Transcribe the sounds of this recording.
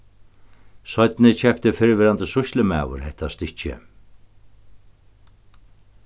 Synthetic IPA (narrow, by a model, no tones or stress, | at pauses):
sɔt̪nɪt͡ɕʰɛpt̪ɪfɪɾvɪɾant̪əsʊʃlɪmæ̰ːwʊ̰ɾɦɛht̪ast̪ɪht͡ʃɪ̰